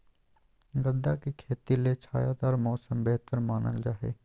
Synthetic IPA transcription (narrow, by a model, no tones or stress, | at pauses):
ɡəd̪ːakekʰeːt̪ilet͡ʃʰaːjaːd̪aːɾmɔːsəmbeɦt̪əɾmaːnə̰ld͡ʒaːɦḛː